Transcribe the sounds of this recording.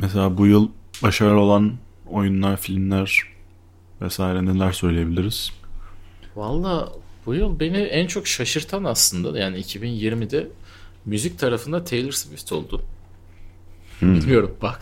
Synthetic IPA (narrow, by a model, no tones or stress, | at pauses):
mɛs̬elʲaːbujɯlˠbaʃaɾo̞lˠano̞junlˠaɾfilʲmlʲæɾ̥ | vɛsaːiɾɛnelʲæɾsø̞jlʲejebilʲiɾiz̥ | valˠːaːb̥ujɯlˠbe̞niænt͡ʃʰo̞kʃaʃɯɾt̪ʰanaslˠɯnd̪a̰jaːniːcʰibinjiɾmid̪ɛ | myzic̚t̪ʰaɾafɯnd̪at̪ʰejlˠɯɾsvift̪ʰo̞lˠd̪ʊ | bilʲijo̞ɾumbak